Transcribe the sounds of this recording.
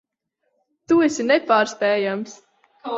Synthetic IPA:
t̪uɛsʲinɛpaːɾspɛːjams

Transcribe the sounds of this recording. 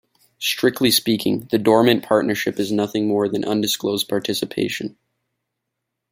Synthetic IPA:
stɹ̥ɪk̚tʰˡlispikʰɪ̰̃ŋðɨdɔɹmɨ̃npʰɑɹtⁿnə˞ʃɪpɨznʌθɪ̃ŋmɔɹðɨ̃nʔʌ̃ndɨskloʊzpʰɑɹtʰɪsɨpʰḛɪʃɨ̃n

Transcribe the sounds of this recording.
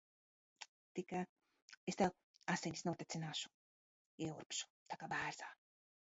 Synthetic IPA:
t̪ika | est̪a | asenʲisnuɔt̪et̪ʲinaːʃu̥ | ɛuɾpʃu̥tt̪akabæːɾzaː

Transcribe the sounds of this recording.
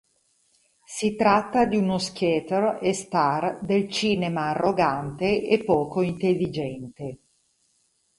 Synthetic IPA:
sit̪ɾat̪ːad̪iunoskjɛːt̪erest̪ard̪elt͡ʃiːnemaːrːoɡant̪eʔepːɔːkoint̪elːid͡ʒɛnt̪e

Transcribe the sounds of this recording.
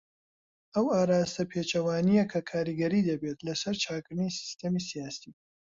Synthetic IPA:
ɐwaːɾaːst̪ɐpʰeːt͡ʃɐwaːnijekʰɐkʰaːɾiɡɐɾiːd̪ɐbet̪lɐsɐɾt͡ʃʰaːkɨɾnisi̥st̪ɐmiːsijaːsiː

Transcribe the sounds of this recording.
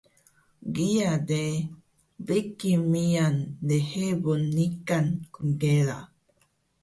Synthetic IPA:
ɡiad̪e | bekimiand̪ehebonikankuŋɡeɾa

